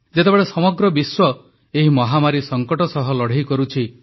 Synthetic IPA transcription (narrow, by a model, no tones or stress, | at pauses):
d͡ʒet̪ebeɭesɔmɔɡɾɔbiswɔ | eɦimɔɦamaɾisɔŋkɔʈɔsɔɦɔlɔɽ̤ikɔɾut͡ʃʰi